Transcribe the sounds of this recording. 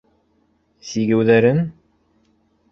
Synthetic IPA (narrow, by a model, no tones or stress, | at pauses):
siɡɘ̆wðæɾɘn